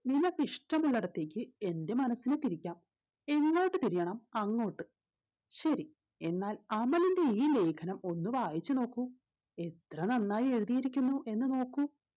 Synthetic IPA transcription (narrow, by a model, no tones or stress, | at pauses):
ninːɐpiʂʈɐmuɭːɐɽɐt̪ːe̞ːkʲːɨe̞nde̞mɐnɐsːinet̪iɾikʲːaːm | e̞ŋːo̞ːʈːɨt̪iɾijɐɳɐmɐŋːo̞ːʈːɨ | ɕɐɾi | e̞nːaːlɐmɐlinde̞iːle̞ːkʰɐnɐmo̞nːuʋaːjit͡ɕːɨno̞ːkːu | e̞t̪rɐnɐnːaːjie̞ɻuðijiɾikʲːunːuʔe̞nːɨno̞ːkːu